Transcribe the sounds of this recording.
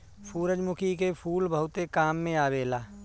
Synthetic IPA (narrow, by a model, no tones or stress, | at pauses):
fʰuːɾəd͡ʒmʊkʰikepʰuːlbʱəʊt̪ekaːmːẽaːbeːlaː